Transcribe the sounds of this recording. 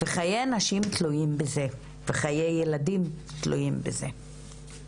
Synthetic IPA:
veχajeanaʃimtlujimbeze̞ | veχajejːeladimtlṵjimbeze̞

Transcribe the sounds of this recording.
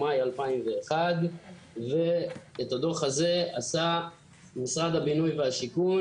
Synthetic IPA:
majalpaimve̞ːχad̪ | ve̞ːt̪had̪oχhaze̞asa | misʁad̪habinujvehaʃiku

